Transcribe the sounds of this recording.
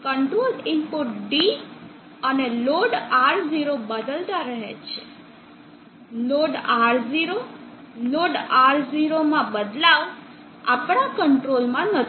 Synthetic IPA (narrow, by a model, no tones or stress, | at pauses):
kəɳʈɾolɪmpuʈ̚ɖi | əneloɖaɾd͡ʒiɾobəd̪əlt̪aɾəɦḛt͡ʃʰe̥ | loɖaɾziɾo | loɖaɾziɾomãbəd̪laʋ | a̰pɳ̃akəɳʈɾolmãnət̪